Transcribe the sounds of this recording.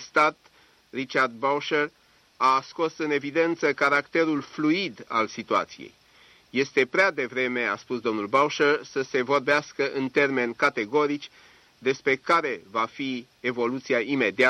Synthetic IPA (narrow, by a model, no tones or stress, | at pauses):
st̪at̪ | rit͡ʃard̪̚bawʃer | asko̞sɨne̞vid̪e̞nt̪səkaɾakt̪e̞ɾulfluid̪a̰lsit̪ua̰t̪sijḛj | je̞st̪e̞pɾead̪e̞vɾe̞me̞a̰spusd̪o̞mnulbawʃersəse̞vo̞rbeaskəʔɨnt̪e̞rme̞nkat̪e̞ɡo̞ɾit͡ʃʲ | d̪e̞spɾe̞kaɾe̞vafi | e̞vo̞lut̪siaime̞d̪ia